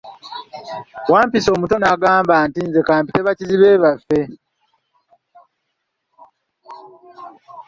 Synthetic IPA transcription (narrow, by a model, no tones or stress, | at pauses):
waːmpiso̞ːmuto̞naːɡaːmbaːntinze̞kaːmpite̞βaciziβe̞ːβafːe̞